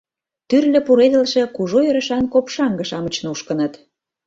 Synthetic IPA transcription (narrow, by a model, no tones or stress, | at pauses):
t̪yrlʲə̆puɾed̪ə̆lʃĕkuʒojø̆ɾə̆ʃɑnkopʃɑŋɡə̆ʃɑmə̆t͡ɕnuʃkə̆nə̆t̪